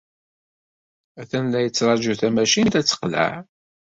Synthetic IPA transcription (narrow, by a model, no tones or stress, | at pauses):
æθænlæjət͡sːɾˤɑd͡ʒuθæmæʃint̪æt͡sːə̥qlə̰ʕ